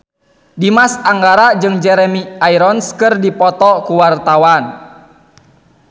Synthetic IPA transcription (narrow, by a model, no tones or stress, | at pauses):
dimasaŋɡaɾad͡ʒɨŋd͡ʒɛɾɛmiaiɾɔnskɨrdipɔt̪ɔkuwart̪awan